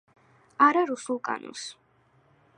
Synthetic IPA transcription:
aɾaɾusulˠkʼa̰nɔ̰ns

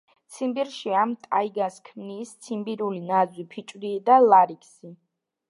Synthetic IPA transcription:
t̪sʰimbiɾʃiamt̪ʼaiɡaskʰmniːst̪sʰimbiɾulinazwipʰit͡ʃʼwɾid̪alaɾikʰsi

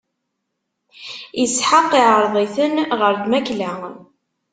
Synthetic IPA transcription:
jəsħəqːiʕəɾˤðˤiθənʁəɾd̪mæklæ

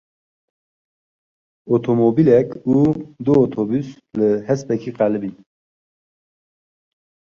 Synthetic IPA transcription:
ot̪ʰomobilɛkud̪ɨot̪ʰobys | lɨhɛspɛkʰiqælɨbi

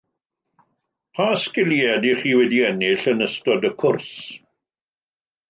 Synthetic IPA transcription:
pʰaskɪlˠiɛdiχiːwɛdiɛnɪɬənəstɔdəkʰʊrs

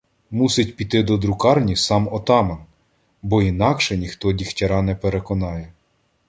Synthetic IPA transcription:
musɪtʲpʲit̪ɪd̪ɔd̪ɾʊkɑrnʲisɑmɔt̪ɑmen | bɔinɑkʃɛnʲixt̪ɔdʲixtʲɐɾɑnɛpeɾekɔnɑjɛ

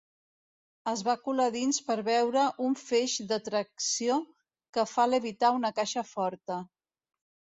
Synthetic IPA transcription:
əzβakulaðinspəɾβɛwɾəʔuɱfeʒd̪ət̪ɾəksio | kəfaləβit̪aunəkaʃəfɔɾt̪ə

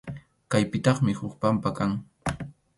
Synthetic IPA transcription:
kajpɪt̪ɑχmɪhʊkpampakaŋ

